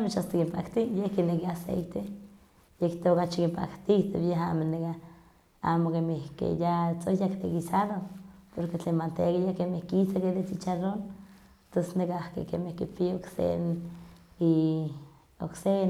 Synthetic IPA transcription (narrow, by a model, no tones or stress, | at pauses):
amet͡ʃast̪okimpa̰kt̪ijehkinekiasḛjt̪e | jekt̪okat͡ʃikimpa̰kt̪iht̪okjeɦamoneka | a̰mokemehkḛjat͡sojakt̪ekisaɾopoɾket͡ɬemant̪ekajakemehkisakelet͡sit͡ʃaɾon | t̪osnekahkḛkemehkipiaoksḛn | i | o̰ksen